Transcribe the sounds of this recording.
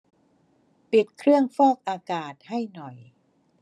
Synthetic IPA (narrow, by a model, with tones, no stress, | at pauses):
pi˨˩t̪̚kʰɾɯ˥˩əŋfɔː˥˩k̚ʔaː˧kaː˨˩t̪̚ha˥˩jnɔ˨˩j